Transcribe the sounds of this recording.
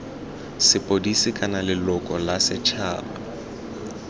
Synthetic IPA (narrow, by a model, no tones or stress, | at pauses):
sɪpʼodisɪkʼanalɪlʊkʼɔlasɪt͡ʃʰaːba